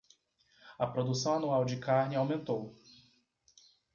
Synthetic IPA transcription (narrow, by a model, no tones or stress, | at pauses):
ɐpɾod̪usɐ̃w̃anuawd͡ʒɪkaɾnɪawmẽnt̪ow